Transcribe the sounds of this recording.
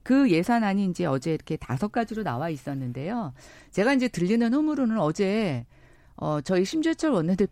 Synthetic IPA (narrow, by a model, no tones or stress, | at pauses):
kɯje̞sʰanaɲiːnd͡ʑe̞ʌd͡ʑe̞iɾʌkʰe̞ta̰sʰʌk͈̚ad͡ʑiɾona̰wais͈ʌnːɯnde̞jo | t͡ɕe̞ɡaind͡ʑe̞tɯʎːinɯnɸɯmuɾonɯnʌd͡ʑe̞ | ʌt͡ɕʌiɕʰimd͡ʑet͡ɕʰʌɭwʌnːɯnde